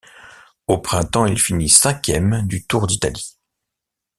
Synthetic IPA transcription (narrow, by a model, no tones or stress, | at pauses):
opχɛ̃t̪ɑ̃ilfinisɛ̃kʲjɛmd̪yt̪uʁd̪it̪a̰li